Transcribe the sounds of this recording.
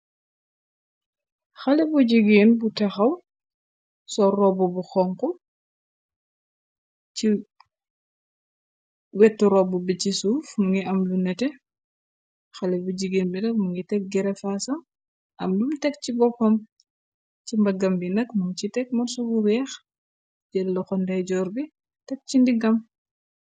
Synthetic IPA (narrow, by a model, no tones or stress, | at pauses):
xɐlɛbuɟiɡinbutɐxɐw | sɔrɔbubuxɔŋkɔ | ci | wɛtːuɾɔbubicisuːfmuŋɡiɐmlunɛtɛ | xɐlɛbuɟiɡenbinɐk̚muŋɡitɛk̚ɡɛɾɛfasɐm | ʔɐ̰mlumtɛk̚cibɔpːɐm | cimbɐɡɐmbinɐkmuŋt͡ʃitɛk̚mɐɾsɔbuwɛːx | d͡ʒɛlːɐxɔndɐjɟɔːɾbi | tɛk̚t͡ʃindiɡɐm